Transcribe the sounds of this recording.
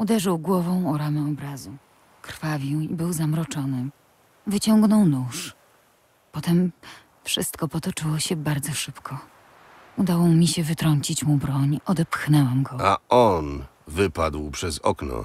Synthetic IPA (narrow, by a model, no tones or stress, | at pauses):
ud̪ɛʐɘwɡwɔvɔ̃w̃ɔɾamɛɔbɾazu | kɾ̥favʲjiwibɘwzamɾɔt͡ʂɔnɘ | vɘt͡ɕɔŋɡnɔ̃wnuʂ | pɔt̪ɛm | fʂɘst̪kɔpɔt̪ɔt͡ʂɘwɔɕɛbaɾd̪zɔʂɘpkʰɔ | ud̪awɔmʲiɕɛvɘt̪ɾɔɲt͡ɕit͡ɕmubɾɔɲɔd̪ɛpxnɛwamɡɔaɔn | vɘpad̪wpʂɛzɔ̰knɔ̰